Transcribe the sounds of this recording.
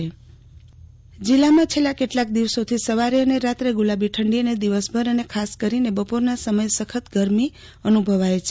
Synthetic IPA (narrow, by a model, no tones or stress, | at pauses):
e | d͡ʒilːamãt͡ʃʰelakeʈlak̚d̪iʋsot̪ʰisəʋaɾiəneɾat̪ɾeɡulabiʈʰəɳɖiəned̪iʋəsbʱəɾənekʰaskəɾinebəpoɾnasəməjsəkʰət̪ɡəɾmi | ənubʱəʋajt͡ʃʰ